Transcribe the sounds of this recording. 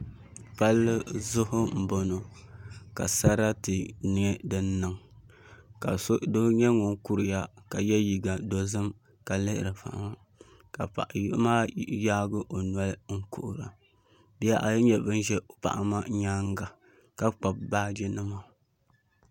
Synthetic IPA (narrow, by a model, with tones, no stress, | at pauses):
pa˦lːɨ˦zʊ˦hʊ˦m̩˨bo˨no˨ka̰˨sa˦ɾa˦tɨ˨nɪ˨˦ɛ˦dɨ˦nːɨ˨ŋ | ka̰˨so˦do˦ɲɛ˦ŋʊ˨ŋ˦ku˦ɾɨ˨ja˦ka˨jɛ˦ji˨ɡa˨do˨zɨ˦m | ka˨lɨ˦ʔɪ̰˨ɾɨ˨pa̰˨ʔa̰˦ma˦ | ka˨pa̰˨ʔa˨jmaː˦jaː˦ɡɨ˦ʔo˨nwa˦lŋ̩˦kʊ̰˦ʔʊ˨ɾa̰˨ | bi˦ja˦ʔa˨˦ɲɛ˨bɨ˦n˦ʒɛ˦˨pa̰˨ʔa˨ma˦ɲaː˦ŋɡa˨ | ka˦k͡pa˨b̚baː˦d͡ʒɛ˦nɨ˦ma˨